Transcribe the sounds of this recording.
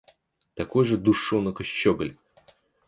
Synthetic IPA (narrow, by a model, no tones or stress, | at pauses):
t̪ɐko̞jʐɨd̪uʂonəkəɕt͡ɕːoɡəlʲ